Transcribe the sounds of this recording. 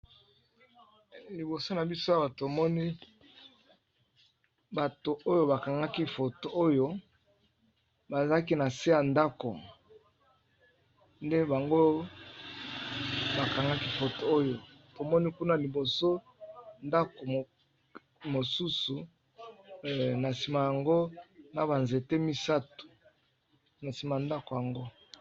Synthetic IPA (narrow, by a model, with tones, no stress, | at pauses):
li˨bo˨so˦na˨bi˦so˦a˦ba˨to˨mɔ˦ni˦ | ba˨to˨ʔo˦jo˦ba˨ka˨ŋɡa˦ki˦fo˨to˨o˦jo˦ | ba˨za˦k̬i˦na˨si˦ja˨nda˦ko̰˨ | nde˦ba˨ŋɡo˦ | ba˨ka˨ŋɡa˦ki˦fo˨to˨o˦jo˨ | to˨mɔ˦ni˦ku˦na˦li˨bo˨so˦ | nda˦ko˨ | mo˨su˦su˨ | na˨si˨ma˨ja˨ŋɡo˦na˨ba˨nze˨te˦mi˦sa˦tu̥˨ | na˨si˨ma˨nda˦ko˨ja˨ŋɡo˦